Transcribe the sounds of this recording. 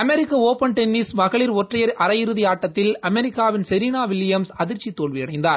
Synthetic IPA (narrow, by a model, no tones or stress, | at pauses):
ɐmɛɾɪkːɐoːpɐnʈ̪ɛnːismɐɣɐɭɪɾɔʈrɐjɐɾʔɐɾɐjɪɾɯðɪjaːʈːɐt̪ːɪlɐmɛɾɪkːaːʋɪnsɛɾiːnaːʋɪlːɪjɐmsɐðɪɾt͡ʃːit̪ːoːɭʋijɐɽɐɪnd̪aːɾ